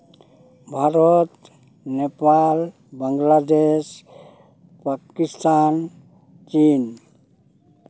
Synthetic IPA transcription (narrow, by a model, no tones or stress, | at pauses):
bʱaɾɔt̪ | nepal | baŋɡlad̪es | pakist̪an | t͡ʃin